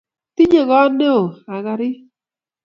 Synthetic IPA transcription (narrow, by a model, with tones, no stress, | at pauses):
t̪i˦ɲe˨ɣɔ˦ne˦o˨a˨ɣa˨ɾɪ˦